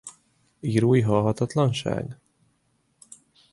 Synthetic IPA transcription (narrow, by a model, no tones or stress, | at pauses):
iɾuiɦɑːɦat̪at̪lanʃæ̰jn